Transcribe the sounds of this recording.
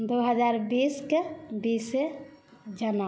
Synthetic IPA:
d̪oɦəd͡ʒaɾbiskebise | d͡ʒəna

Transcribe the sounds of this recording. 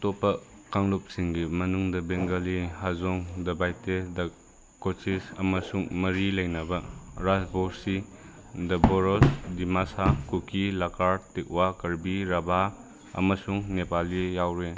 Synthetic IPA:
topːɐ | kaŋlup̚siŋɡimɐnuŋdɐbeŋɡɐlihazoŋdɐbajtedɐ | kot͡ʃisɐmɐsuŋmɐɾilɐjnɐbɐɾasbosi | dɐboɾosdimasakukʰilakʰaɾtek̚wakɐɾbiɾɐbʱa | ɐ̰mɐsuŋnepalijawɾe

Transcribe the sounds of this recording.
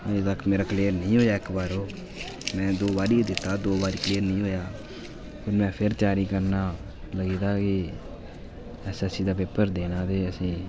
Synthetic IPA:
əet̪əkʰːmeːɾaːkleːɾnəĩːɦoːjaːɪkbaːɾoː | mɛ̃ːd̪oːbaːɾiːd̪ɪt̪ːaːd̪oːbaːɾiːkleːɾnəĩːɦoːjaː | pʰəɾmɛ̃ːpʰɪɾt͡ʃaːɾiːkəɾnaː | ləɡiːd̪aːkɪ | ɛːsəsĩːd̪aːpeːpəɾd̪eːnaːd̪eːəsĩː

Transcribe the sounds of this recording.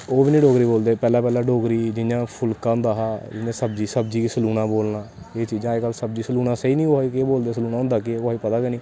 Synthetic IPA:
oːbiːnĩːɖoːɡɾiːboːld̪eːpɛːlaːpɛːlaːɖoːɡɾiːd͡ʒɪnjãːpʰʊlkãːʊ̃nd̪aːɦaːd͡ʒɪnẽːsəbd͡ʒiːsəb̚d͡ʒiːkisəluːnãːboːlnaː | eːt͡ʃiːd͡ʒãːeːkəlsəbd͡ʒiːsəluːnãːseiːnĩːkoaikeːboːld̪eːsəluːnaːʊ̃nd̪aːkɪkaːiːpət̪aːkenĩː

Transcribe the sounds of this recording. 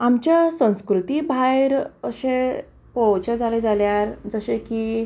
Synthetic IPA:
amt͡ɕjasə̃w̃skɾut̪ibʱajɾəɕe | pəwt͡ɕəd͡zʱaled͡zʱaljaɾd͡zəɕekiː

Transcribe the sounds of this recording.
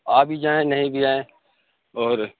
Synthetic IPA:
aːbʱid͡ʒaːẽnɐɦĩbʱid͡ʒaːẽ | ɔːɾ

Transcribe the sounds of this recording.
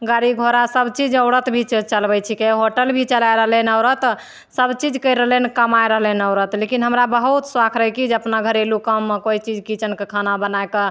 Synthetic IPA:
ɡaɾiɡʱoɾasəbt͡ʃid͡ʒəʊɽət̪bʱit͡ʃt͡ʃəlbɛt͡ʃʰikeɦoʈəlbʱit͡ʃəlajɾəɦlɛnəʊɾət̪ | səbt͡ʃid͡ʒkəjɾəɦlɛnkəmaeɾəɦlɛnəʊɾət̪lekinɦəmɾabəɦut̪swakʰɾəɦɛkid͡ʒeəpnaɡʱəɾelukəmːkoit͡ʃid͡ʒkit͡ʃənkekʰanabənaekə

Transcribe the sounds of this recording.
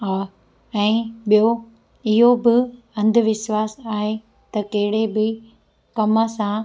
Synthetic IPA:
aː | ɛ̃ːɓijo | ɪɦobɪ | ɐ̃nd̪ʱʊʋɪʃwaːsaːɦe | t̪ɐkɐɦɪɽebɪ | kɐməsã

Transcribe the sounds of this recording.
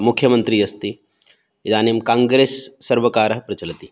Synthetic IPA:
mʊkʰjɐmənt̪ɾiːɐst̪i | zaːnimkãːŋɡɾeːsːɐɾʋɐkaːɾɐɦpɾɐt͡ʃɐlɐt̪i

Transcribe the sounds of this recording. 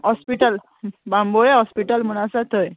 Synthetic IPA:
ɦɔspiʈəl | bãmbojeɦɔspiʈəlm̤əɽ̃asat̪ʰəj

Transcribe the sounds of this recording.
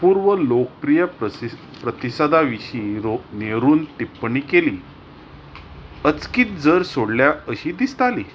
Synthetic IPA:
puːɾʋəlokəpɾijə | pɾət̪isad̪aʋiɕĩːɾoneɾuːnt̪ipːɳiːkeliː | ət͡skiːt̪̚d͡zəɾsoɽljaəɕiːd̪ist̪aliː

